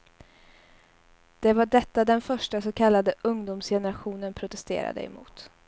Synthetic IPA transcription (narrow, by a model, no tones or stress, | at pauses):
d̪̥ɛvaɖɛt̪ːad̪ɛnfœʂʈasɔkʰalːad̪əʔɵŋd̪uːmsjɛnəɾaɧuːnənpʰɾʊt̪ɛst̪ḛːɾa̰d̪ə̰ɛ̰mṵːt̪